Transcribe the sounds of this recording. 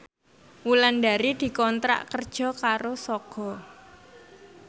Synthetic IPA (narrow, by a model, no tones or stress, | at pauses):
wulanɖa̤ɾid̪̥i̤kɔnt̪ɾa̰ʔkərd̥ʒ̥ɔ̤kaɾosɔɡ̥ɔ̤